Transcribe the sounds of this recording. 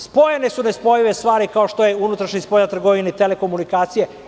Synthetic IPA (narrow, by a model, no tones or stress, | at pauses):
spo̞jenesunespo̞jiʋe̞st̪ʋaːɾikaoʃt̪o̞jeunut̪ɾaʃɲaspo̞jnat̪r̩ɡo̞ʋineit̪ele̞ko̞munikaːt̪sije